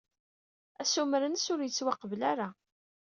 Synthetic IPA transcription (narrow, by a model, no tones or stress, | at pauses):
æsumɾənsʊɾjət͡sːwɑqːəblaɾa